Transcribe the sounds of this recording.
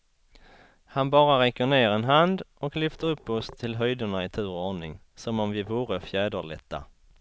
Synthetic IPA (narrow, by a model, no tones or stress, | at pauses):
hanbɑːɾaɾɛkːəɳeːɾɛnɦand̪ɔklʏft̪əɾɵpːɔst̪ʰɪlɦœjd̪əɳaɪt̪ʰʉːɾoːɳɪŋ | sɔmɔmvɪvuːɾəfjæːd̪əɭɛ̰t̪ːa̰